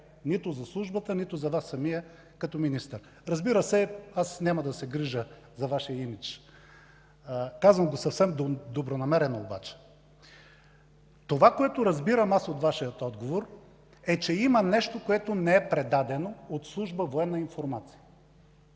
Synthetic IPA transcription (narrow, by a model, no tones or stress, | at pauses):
nit̪ʊzɐslˠuʒbət̪ənit̪ʊzɐvasːɐmijə | kɐt̪ominist̪əɾ | ɾɐzbiɾəsɛasnʲaməd̪ɐsɛɡɾiʒə | zɐvaʃijəimit͡ʃ | kazvəmɡosɐfsɛmd̪d̪obɾonɐmɛɾɛnooba̰t͡ʃɛ̥ | t̪ovakoɛt̪oɾɐzbiɾəmasot̪vaʃijət̪ɔd̪ɡovoɾ | ɛt͡ʃɛimənɛʃt̪okoɛt̪onɛɛpɾɛd̪ad̪ɛnoot̪slˠuʒbəvoɛnːəinfoɾmat̪si̥jə